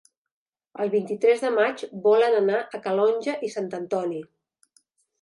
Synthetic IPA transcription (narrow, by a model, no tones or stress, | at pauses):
əlˠβint̪it̪ɾɛzðəmad͡ʒbɔlənənaʔəkəlɔnʲʒəʔisant̪ənt̪ɔni